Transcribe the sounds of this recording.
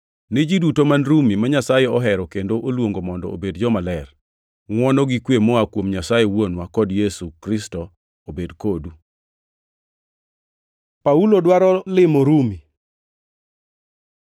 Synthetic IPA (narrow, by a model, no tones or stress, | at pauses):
nid͡ʒidutomanɾumimaɲasajɛɔɦɛɾɔkendoʔolwoŋɡomɔndɔ̰obedd͡ʒɔmalɛr | ŋwɔnɔɡikwemɔakwomɲasajewonwakɔdjɛsukɾɪstɔ | obedkodu | paulodwaɾɔlɪmoɾumi